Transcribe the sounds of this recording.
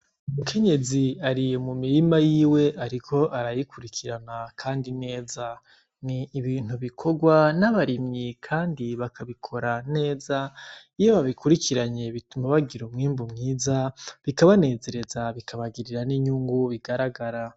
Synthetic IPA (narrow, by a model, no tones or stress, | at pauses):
uumukʰe̞ɲe̞ziaɾijmumiɾimajiːwe̞ʔaɾikʰo̞ʔaɾajikuɾikʰiɾanakʰaːndine̞ːza | niːβiːn̥huβikʰo̞ɡwanaβaɾimɲikʰaːndiβakʰaβikʰo̞ɾane̞ːza | ijoβaβikuɾikʰiɾaɲe̞βitumaβaɡiɾomŋiːmbumŋiːzaβikaβane̞ːze̞ɾe̞zaβikʰaβaɡiɾiɾaniɲuːŋɡuβiɡaɾaɡaɾa